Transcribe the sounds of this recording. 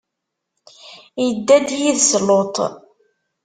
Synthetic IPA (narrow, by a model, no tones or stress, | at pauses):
jəd̪ːæd̪jiðslot̪ˤ